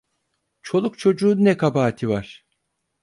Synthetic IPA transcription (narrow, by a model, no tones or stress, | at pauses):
t͡ʃʰo̞lˠukt͡ʃʰo̞d͡ʒuːnnːɛkʰabaːt̪ʰivaɾ̥